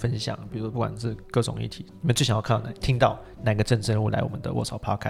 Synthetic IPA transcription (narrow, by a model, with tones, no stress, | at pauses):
fə˦nɕjɑ̰˨˦ŋpi˨˩ɻu˧˥pu˥˩wa̰˨˩nʂɻ̩˥˩kɤ˥˩ʈ͡ʂʊ̰˨˩ŋḭ˥˩t̪ʰi˨˦i˨mə˦nt͡swe˥˩ɕŋjk̪ʰa˨˩t̪ʰi˥ŋt̪ɑ˥˩ʊ | na˨˩i˧˥ɡə˧ʈ͡ʂə˥˧nʈ͡ʂə˧u˥˩la˧˥ɪwɔ̰˨mə˦nd̪ə̰˦wʔɔ̰˥˩sɑ˨˩˦ʊpʰɑ˥kʰa˥˩